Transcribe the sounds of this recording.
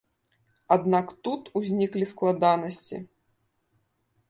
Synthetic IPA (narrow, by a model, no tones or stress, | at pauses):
ad̪nakt̪ut̪uzʲnʲiklʲisklˠad̪anɐsʲt͡sʲḭ